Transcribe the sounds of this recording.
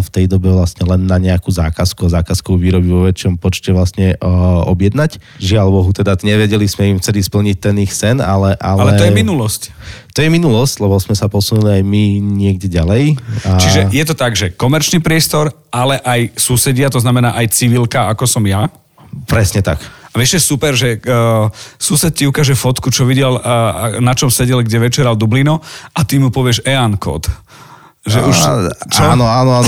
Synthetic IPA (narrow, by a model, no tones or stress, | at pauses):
ft̪ɛjd̪ɔbɛʋlasɲɛlɛnːaɲɛakuzaːkaskuɔzaːkaskɔʊʋiːɾɔbiʋɔʋɛt͡ʃɪɔmpɔt͡ʃcɛʋlasɲɛɔ̰bjɛd̪nac | ʒɪalʋɔɦut̪ɛd̪aɲɛʋɛɟɛlismɛimft͡sɛlispl̩ɲic̚t̪ɛnixsɛnalɛʔalalɛt̪ɔjɛminulɔsct̪ɔjɛminulɔsclɛbɔsmɛsapɔsunuliajmiɲɪɛɡɟɛɟalɛjt͡ʃiʒɛjɛt̪ɔt̪aɡʒɛkɔmɛɾt͡ʃnipɾɪɛst̪ɔɾ | ʔalɛʔajsusɛɟɪat̪ɔznamɛnaːʔajt͡siʋilkaakɔsɔmja | pɾɛsɲɛt̪a̰kaʋɪɛʃɛɛsupɛɾʒɛ | susɛt̪̚ciukaːʒɛfɔt̪kut͡ʃɔʋiɟɛlnat͡ʃɔmsɛɟɛlɡɟɛʋɛt͡ʃɛɾald̪ublinɔʔat̪imupɔʋɪɛʃɛankʰɔ̰t̪ | ʒɛʔuʃt͡ʃɔnɔaːnɔan